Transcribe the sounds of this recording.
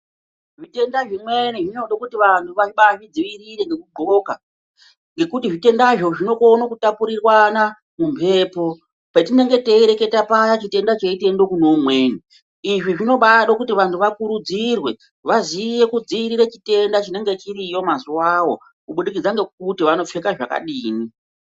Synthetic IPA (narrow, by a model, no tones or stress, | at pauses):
ʐite̞ndaʐimwe̞niʐino̞ɗokutiʋantʰuʋaʐiɓaʐid͡ziʋiɾiɾe̞ŋɡe̞kuɡ͡ǃo̞ka | ŋɡe̞kutiʐite̞ndaʐo̞ʐino̞konokutapuɾirwana | mumpʰe̞ːpo̞ | petine̞ŋɡe̞te̞iɾe̞ke̞tapajat͡ʃite̞ndat͡ʃeite̞ndo̞kunomweːni | iʐiʐino̞ɓaɗokutiʋantʰuʋakuɾud͡zirwe̞ | ʋazije̞kud͡ziʋiɾiɾe̞t͡ʃite̞ndat͡ʃine̞ŋɡe̞t͡ʃirijo̞mazuwawo̞ | kuɓuɗik̬id͡zaŋɡe̞k̚utiʋano̞fekaʐaka̰ɗiːni